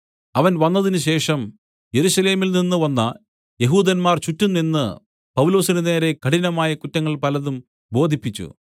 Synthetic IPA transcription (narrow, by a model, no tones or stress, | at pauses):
ɐʋɐnʋɐnːɐðinɨɕe̞ːʂɐm | je̞ɾuɕɐle̞ːmilninːɨʋɐnːɐ | je̞ɦuːd̪ɐnmaːrt͡ɕutːunːenːɨ | pɐwulo̞ːsinɨne̞ːɾe̞kɐɽinɐmaːjɐkutːɐŋːɐɭpɐlɐðum | bo̞ːd̪ʱipːit͡ɕːṵ